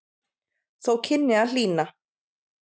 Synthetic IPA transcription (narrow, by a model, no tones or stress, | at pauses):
θowcʰɪnːɪal̥iːna